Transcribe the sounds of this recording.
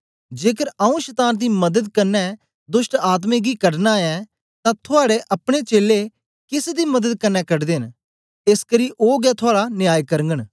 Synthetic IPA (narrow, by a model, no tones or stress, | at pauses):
d͡ʒeːkəɾaũʃət̪aːnd̪iːmɐd̪əd̪kɐɾnːɛ | d̪ʊʃʈaːt̪̬mẽɡiːkəɽnaɛ̃ | t̪ãt̪ʰʊaːɽeʔɐpɽ̃et͡ʃeːle | kɪsd̪iːmɐd̪əd̪̚kɐnːɛkɐɖd̪eːn | ɪskəɾiːʔoːɡɛt̪ʰʊaːɽanɪjaːjkɐɾə̃ŋɡəɽ